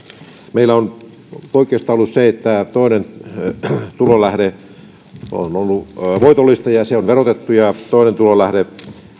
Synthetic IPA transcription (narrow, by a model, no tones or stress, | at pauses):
meilːˑæon | poikˑeˑːst̪ɑolːusseet̪ːæt̪oinen | t̪ulolæhɾe | o̰nolːuʋoit̪olːˑist̪ɑjɑseonʋerot̪et̪ːujɑt̪oˑinent̪ulolæhɾe